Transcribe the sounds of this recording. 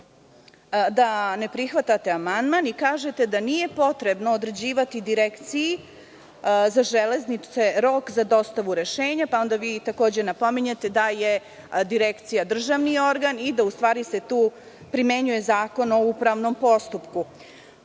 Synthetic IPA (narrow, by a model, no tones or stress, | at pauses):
d̪ane̞pɾixʋat̪at̪e̞amand̪manikaːʒe̞t̪ed̪anije̞po̞t̪ɾe̞bnood̪ɾe̞d͡ʑiːʋat̪id̪iɾekt̪siji | zaʒele̞znit̪e̞ɾo̞kzad̪o̞st̪aʋuɾe̞ʃeːɲapao̞nd̪aʋiːt̪ako̞ːd͡ʑe̞napo̞miɲet̪e̞d̪aje̞ | d̪iɾekt̪sijad̪r̩ʒaʋnio̞ɾɡanid̪aust̪ʋaːɾise̞t̪uː | pɾime̞ɲuje̞zaːko̞no̞upɾaʋno̞mpo̞st̪upku